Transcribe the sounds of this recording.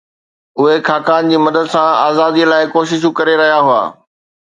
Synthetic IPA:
ʊɦekʰaːkaːnd͡ʑiːmɐd̪əd̪sãaːzaːd̪ilaːɪkoːʃɪʃ̬ukɐɾeɾɐɦijaɦʊa̰ː

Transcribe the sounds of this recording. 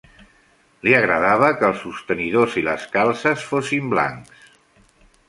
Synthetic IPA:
liəɣɾəðaβ̞əkəːlˠsust̪əniðoziləskalˠsəsfosimbla̰ŋks

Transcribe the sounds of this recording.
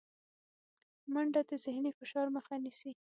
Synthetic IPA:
maɳɖad̪əzɪhnifɪʃɑɾməxanisi

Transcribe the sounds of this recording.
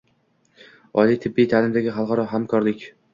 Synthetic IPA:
ɒlijt̪ʰɪbːijt̪ʰaːlɪmd̪aɡʲɪχɑlˠqɑɾɒɦamkʰɒɾlɪkʲ

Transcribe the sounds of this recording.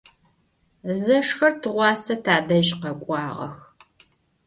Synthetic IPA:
zɐʂxɐrtʰɨʁʷɑːsɐtʰaːdɐʒqɐkʷʼɑːʁɐ̰x

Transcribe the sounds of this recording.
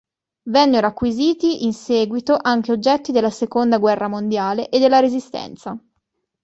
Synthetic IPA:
vɛnːeɾoakːwiziːt̪iʔinsɛːɡwit̪oʔaŋk̟eod͡ʒːɛt̪ːid̪elːasekond̪aɡwɛrːamond̪jaːleʔed̪ːelːaɾezist̪ɛ̰nt̪sa

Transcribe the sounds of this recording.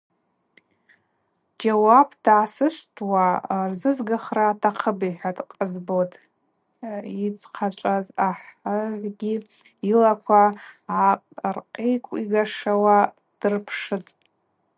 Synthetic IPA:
d͡ʒawabʰd̥aːsɨʃʷtʰʼwarzɨzɡaχraːtʰaqʰəbiħʷatʼqʼəzbotʼ | it͡sʰʼqʰat͡ʃʷʼazaħaʕʷɡʲi | ilakʷʰaaqrqʼejkʷʼiɡaʂawa | d̥ɨrpʰʂɨtʼ

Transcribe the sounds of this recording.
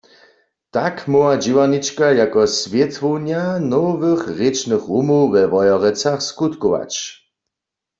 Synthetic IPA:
t̪akmɔwad͡ʒiwanit͡ʃkajakɔsvjɛt̪ʋownjanovɪxʁet͡ʃnɨχʁumowʋɛʋɔjɔʁɛt͡saχskut̪kɔʋa̰t͡ʃ

